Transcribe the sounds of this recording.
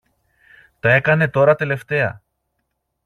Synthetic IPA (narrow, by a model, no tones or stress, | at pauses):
t̪ɐe̞kɐne̞t̪o̞ɾɐt̪e̞le̞ft̪e̞ɐ̰